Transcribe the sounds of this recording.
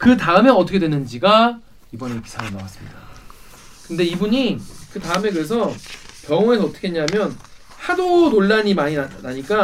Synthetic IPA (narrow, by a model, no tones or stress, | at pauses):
kɯtaɯme̞ʌt͈ʰʌkʰedwenɯnd͡ʑiɡa | ibʌne̞pi̥sʰaɯnawas͈ɯmɲḭda | kɯnde̞ibuɲikɯtaɯme̞kɯɾe̞s̬ʰʌkjʌŋoe̞sʰʌʌt͈ʰʌ̥kʰeeɲaɦmjʌn | hadonoɭːaɲimaɲinaɲik͈a